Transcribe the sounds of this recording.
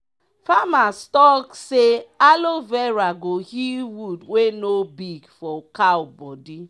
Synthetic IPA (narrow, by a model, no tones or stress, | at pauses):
famastɔksealovɛɾaɡohiwudwenobiɡfɔkaʊbɔdi